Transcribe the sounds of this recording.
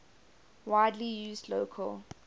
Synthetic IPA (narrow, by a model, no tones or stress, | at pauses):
waɪdlijuːzdloʊkʰəl